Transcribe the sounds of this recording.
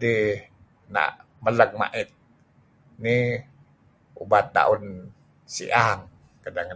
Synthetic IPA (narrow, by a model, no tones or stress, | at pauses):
di | na̰ʔ | mələk̚ma̰ʔɪt̪̚ | ni | ubat̪̚ːa̰ʔun | sḭʔaŋ | kadaŋa